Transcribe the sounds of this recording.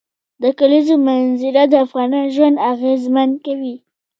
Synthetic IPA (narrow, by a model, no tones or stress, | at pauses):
d̪əkalizomanzɪɾad̪əafɣɑnɑʒwand̪aɣezmand̪̚kawi